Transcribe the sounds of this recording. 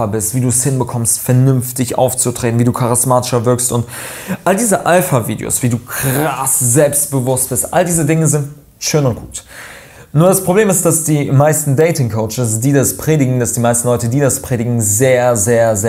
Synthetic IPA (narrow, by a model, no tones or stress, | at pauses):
abɪstv̥iːduːɛshɪnbəkʰɔmstfɛɐnʏnftɪçʔa̰ʊft͡sutʁ̥eːtn̩viːduːkʰaʁɪsmaːtɪ̥ʃɐvɪɐkstʊntʔaldiːzəʔalfavḭːdḛo̰ːsv̥iːduːkʁ̥asz̥ɛlpst̚b̥əvʊst̚b̥ɪɐstʔa̰ldiːzədɪŋəzɪnt | ʃøːnʊnt̚ɡ̥uːt | nuːɐɾaspʁ̥obleːmɪst̚d̥asd̥iːmaɪstn̩dɛɪtɪŋkʰoʊt͡ʃɪsd̥iːdaspʁ̥eːdɪɡŋ̩d̥asd̥iːmaɪstn̩lɔʏtədiːdaspʁ̥eːdɪɡŋ̩zeːɐzeːɐzeː